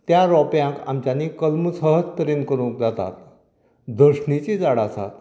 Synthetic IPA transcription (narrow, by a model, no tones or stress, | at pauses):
t̪jaɾɔpjãka̰mt͡ɕjanikəlməsəɦət͡st̪əɾiːnkəɾũːk̚d͡zat̪a̰t̪ | d̪əɾɕɳit͡ɕid͡zaɽasa̰t̪